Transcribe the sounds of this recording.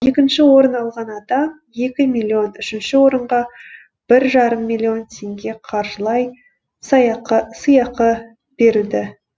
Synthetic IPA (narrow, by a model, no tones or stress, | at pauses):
e̞kʲɪnʃɪwo̞ɾənɑlˠʁɑnɑd̪ɑm | je̞kʲɪmilʲːio̞nʏʃɪnʃɪwo̞ɾəɴʁɑ | b̥ɪɾʒɑɾəmːilʲˠːio̞nt̪ʲʰe̞ŋɡʲe̞qʰɑɾʒəlˠɑj | sɑjɑqəsəjɑqə | b̥e̞ɾɪd̪ɪ